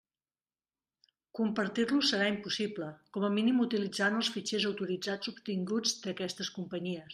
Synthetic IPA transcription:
kumpəɾt̪irlusəɾaimpusibləkɔməminimut̪ilid͡zanəlˠsfit͡ʃezəwt̪uɾid͡zad͡zubt̪iŋɡud͡zd̪əkɛst̪əskumpəɲiəs

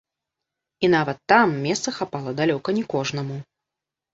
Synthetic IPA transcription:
inavɐt̪ːamːʲɛst̪sɐxapalˠɐd̪alʲɔkɐnʲɛkɔʐnɐmu

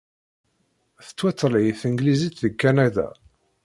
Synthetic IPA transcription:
θə̥t͡sːwæt͡sːəlʕiθəŋɡlizit̪ðəkːænædæ̰

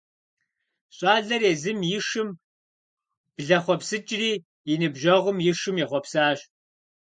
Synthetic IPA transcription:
ɕʼɑːɮɐreːzɨmjɪʂɨm | b̥ɮɐχʷɔpsɨt͡ʃʼɪriː | jɪnɨbʒɐʁʷʊmjɪʂɨmjɛχʷɔpsaːɕ

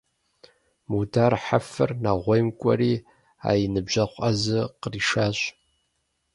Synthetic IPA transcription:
mudʰaːrħafɨ̰rnaʁʷejmkʷʼɐ̰ɾiː | a̰ːjinɨbʒɐχʷʼazɨqəriʃaːɕʼ

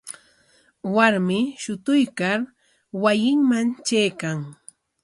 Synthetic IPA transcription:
waɾmɪʃʊt̪ʊjkaɾ | wajɪŋmant͡ʃajkaŋ

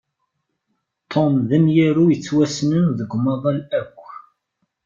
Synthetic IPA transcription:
t̪ˤʰːomðæmjiɾujət͡sːwæsnənðəɡʷːmɑðˤɑlækʷː

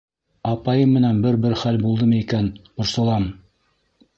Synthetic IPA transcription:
ɑpɑjɤmːɘ̆nænbɘɾbɘɾχælbulˠd̪ɤmɤikænqŏɾsɤ̆lˠɑm

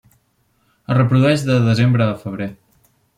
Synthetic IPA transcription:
ərəpɾuðuɛʒðəðəzembɾəːfəβ̞ɾe

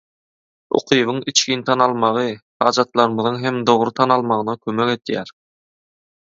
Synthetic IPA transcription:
o̰qʰɯjβɯŋit͡ʃkʰʲint̪ʰɑnɑlˠmɑʁɯhɑːd͡ʒɑt̪lˠɑɾɯmɯðɯŋɦemd̪o̞ʁɾɯt̪ʰɑnɑlˠmɑʁɯnɑkʲʰømekʲe̞t̪jæɾ

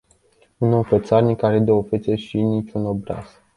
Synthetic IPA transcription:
unofet̪sarnikaɾed̪eofet̪seʃinit͡ʃunobɾa̰z̥

